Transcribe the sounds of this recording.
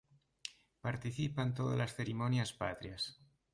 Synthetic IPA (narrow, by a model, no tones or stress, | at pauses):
paɾt̪iθipant̪oða̰lasθeɾimonjaspat̪ɾias